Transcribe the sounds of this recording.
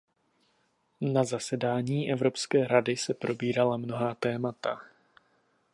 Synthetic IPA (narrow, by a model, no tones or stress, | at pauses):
nazasɛdaːɲiːʔɛvɾo̞pskɛːɾadɪsɛpɾʔo̞biːɾalamno̞ɦaːt̪ɛːmat̪a